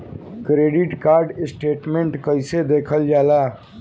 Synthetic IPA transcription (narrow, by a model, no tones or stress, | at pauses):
kɾeːɖɪʈkaːɾɖɪsʈeːʈmẽɳʈkəɪsed̪eːkʰəld͡ʒaːlaː